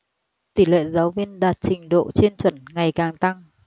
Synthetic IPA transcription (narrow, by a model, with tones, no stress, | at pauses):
t̪i˧˩lḛ˧˨zaː˨˦wvi˧ənɗaː˨˩t̚t͡ɕï˨˩ŋ̟ɗo̰˧˨t͡ɕe˧nt͡ɕwə˧˩nŋa˨˩jkaː˨˩ŋt̪a˧ŋ